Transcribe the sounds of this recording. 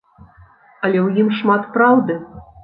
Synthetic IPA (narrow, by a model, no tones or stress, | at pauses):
ɐlʲɛwjimʂmat̪pɾawd̪ɨ